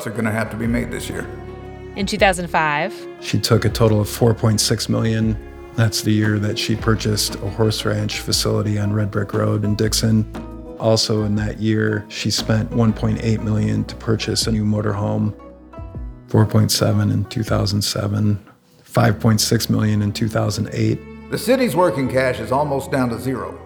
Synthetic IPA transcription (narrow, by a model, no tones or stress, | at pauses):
sə˞ɡʌñɨɦæftəbimeɪd̪̚ðɪ̰sjɪ̰ɹ | ʔɨ̃ntʰʉθaʊz̃n̩dfaɪv̥ | ʃitʰʊkɨtʰoʊɾl̩ˠʌv̥fɔɹpʰɔ̃ɪ̃ntsɪksmɪlˠjɨ̃n | ðætsðɨjɪɹðɨtʃipʰɜ˞t͡ʃɨstʰəhɔɹsɹæ̃nt͡ʃfɨsɪlˠəɾiɨ̃nɹɛd̚bɹɪkʰɹo̰ʊɾɨ̃ndɪksɨ̃n | ʔɔlˠsoʊɨ̃nðɨʔjɪɹʃispɛ̃nʔwʌ̃npʰɔ̃ɪ̃nteɪt̚mɪlˠjɨ̃ntʰə̥pʰɜ˞t͡ʃɨsɨʉmoʊɾə̰˞ɦõʊ̃m | fɔɹpʰɔ̃ɪ̃ntsɛ̰vɨ̃nɨ̰̃ntʰʉ̰θa̰ʊz̃n̩d̥sɛ̰və̃n | faɪv̥pʰɔ̃ɪ̃ntsɪksmɪ̰lˠjɨ̃nɨ̃ntʰʉθaʊzn̩dḛɪt̚ðɨsɪɾizwɜ˞kɪ̃ŋkʰæʃɨzɔlˠmoʊsd̥ãʊ̃ntɨzɪɹo̰ʊ